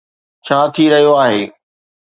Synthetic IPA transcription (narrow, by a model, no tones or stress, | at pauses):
t͡ɕʰaːt̪ʰiɾɐɦijoaːɦeː